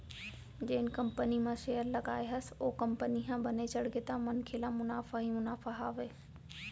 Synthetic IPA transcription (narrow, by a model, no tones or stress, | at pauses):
d͡ʑeːɪnɪ̆kɐ̃mpənimãʃeːjəɾlɐɠaːeɦɐsɪ̥̆oːkɐ̃mpəniɦãbɐnet͡ɕɐɽɡet̪ãmɐnkʰeːlãmʊnaːfaɦimʊnaːfaɦaːʋeː